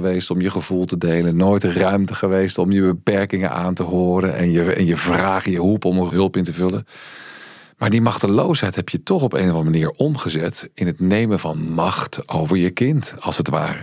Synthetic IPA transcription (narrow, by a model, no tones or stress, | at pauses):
əʋejstɔmjəχəvulˠtədejlənːoːjtrœɥmtəχəʋejstɔmjəbəpɛɹkɪŋə̰nʔaːntəɦʊːɾənʔɛ̰njəɛ̰njəvraːχjəɦupɔməɦɵlˠpɪntəvɵlən | maːɹdimɑχtəlowsɦɛjtɦɛpjətɔχɔpḛjnəvɑnəmaniːɹʔɔmχəzɛtɪnɦətnejməvɑnmɑχto̰wvəɹjəkɪntɑlˠsətʋa̰ːrə